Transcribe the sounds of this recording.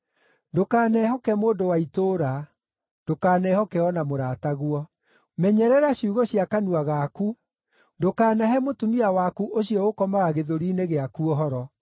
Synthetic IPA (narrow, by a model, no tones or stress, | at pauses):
ndokaːnɛhɔkɛmoːndowaitoːɾa | ndokaːnɛhɔkɛɔnamoɾaːtaɣwɔ | mɛɲɛɾɛɾaɕiuɣɔɕijakanuaɣaku | ndokaːnaɦɛmotumiawakuʔoɕiɔokɔmaɣaɣeðoɾiːneɣeakuɔɦɔɾɔ